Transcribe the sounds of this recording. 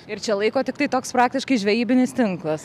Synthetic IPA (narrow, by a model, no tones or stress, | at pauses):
ɪɾt͡ʃʲɛlˠɐɪkoːt̪ʲɪkt̪ɐɪt̪oːkspɾɑːk̚t̪ʲɪʃkɐɪʒʲʋʲɛjiːbʲɪnʲɪst̪ʲɪŋklˠɐs